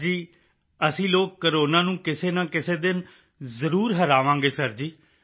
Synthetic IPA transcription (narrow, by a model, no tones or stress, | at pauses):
d͡ʒiː | əsĩːloːkːəɾoːnãːnũːkɪseːnãːkɪseːd̪ɪn | zəɾuːɾɦəɾaːʋãːɡeːsəɾd͡ʒiː